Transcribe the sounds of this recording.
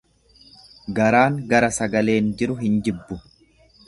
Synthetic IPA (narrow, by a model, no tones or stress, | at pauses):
ɡɐɾaːŋɡɐɾɐsɐɡɐle̞ːnd͡ʒɪɾʊɦɪnd͡ʒɪbːʊ